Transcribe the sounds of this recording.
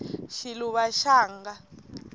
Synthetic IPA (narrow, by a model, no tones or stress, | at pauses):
ʃiluβaʃaːŋɡa